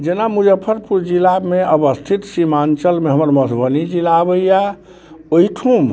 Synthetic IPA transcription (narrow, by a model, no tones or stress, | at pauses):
d͡ʒenamud͡ʒəpʰːəɾpuɾd͡ʒilameəbəst̪ʰit̪simant͡ʃəlmeɦəməɾmət̪ʰbənid͡ʒilabəja | oiʈʰum